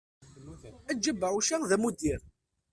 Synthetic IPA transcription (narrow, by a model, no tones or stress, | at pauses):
æd͡ʒəbːəʕuʃaðæmud̪iɾ